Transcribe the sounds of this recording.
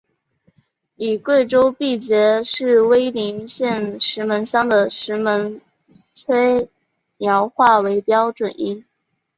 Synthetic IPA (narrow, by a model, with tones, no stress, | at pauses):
li˨˩kwe˥˩ɪʈ͡ʂo˥ʊpi˥˩t͡ɕjɛ˧˥ʂɻ̩˥˩we˥ɪli˧˥ŋɕjɛ˥˩nʂɻ̩˧˥mə˧˥nɕjɑ˥ŋd̪ə˨ʂɻ̩˧˥mə˧˥n | t͡sʰwe˥ɪ | mjɑ˧˥ʊxwa˥˩we˧˥ɪpjɑ˥ʊʈ͡ʂwə˨˩ni˥n